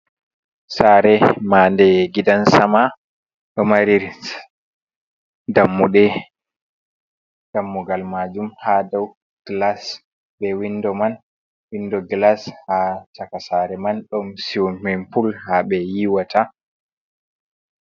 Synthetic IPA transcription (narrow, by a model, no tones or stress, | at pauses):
saːɾɛmandɛɡidansama | ɗɔmaɾiɾ | damːuɗɛ | d̥amːuɡalmad͡ʒumhadaw | ɡ̥las | bɛwindɔman | windɔɡlashatakasaɾɛmanɗɔmsiwmɛnfulhaɓɛjiwatʰa